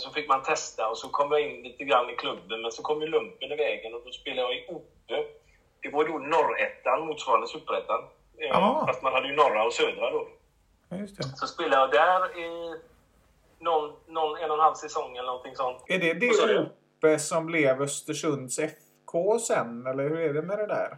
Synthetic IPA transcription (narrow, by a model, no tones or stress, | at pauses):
sɔfɪkːmant̪ʰɛst̪aɔsɔkʰɔmːjaɪnːliːt̪əɡɾanːɪkʰlɵbːənmɛnsɔkʰɔmːjəlɵmpːənɪvɛːɡənɔd̪ɔspeːlajaɪuːpːə | d̪̥ɛvajd̪onɔɾɛ̰t̪ːanmuːt̪svɑːɾand̪əsɵpːɾɛt̪ːaɾ | fast̪manhad̪ːəjʏnɔɾːaɔsøːd̪ɾad̪ɔ | jɵst̪ʰɛsɔspeːlajad̪æɾɛ | nɔnːɔnɛnːɔnhalvsɛsɔŋːɛlənɔnt̪ʰɪŋsɔnt̪ɛɖɛd̪ɛuːpːəsɔmblɛvœst̪əʂɵnd̪sɛf | kʰoːsɛnɛlːəɾhɵɾɛɖɛmɛd̪ɛd̪æ̰ːɾ